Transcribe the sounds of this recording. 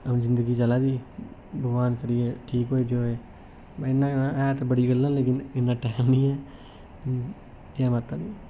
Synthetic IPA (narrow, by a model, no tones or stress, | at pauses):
əmd͡ʒɪ̃nd̪əɡit͡ʃəlaːd̪iːbəɡʋaːnkəɾijeʈʰiːkɦoːed͡ʒoːe | baɪnːãɛːt̪bəɽiɡəlːãnleːkɪnɪnːãʈɛːmĩɛː | jamat̪ad̪iː